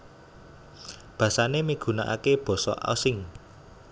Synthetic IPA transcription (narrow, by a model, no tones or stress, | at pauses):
b̥ä̤sanemiɡ̥ṳna̰ʔa̰keb̥ɔ̤sɔ̰ʔa̰sɪŋ